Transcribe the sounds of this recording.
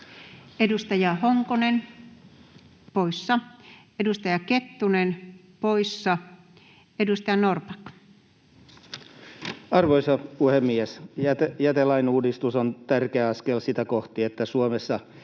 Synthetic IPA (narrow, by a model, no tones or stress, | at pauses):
edust̪ɑjɑhoŋkonen | poisːɑ | edust̪ɑjɑket̪ːunen | poisːɑ | edust̪ɑjɑnorpɑk | ɑrʋoisɑuhemːiesjæt̪jæt̪elɑinuːdist̪usont̪ærkeæɑskelsit̪ækoht̪iet̪ːæsuomesːɑ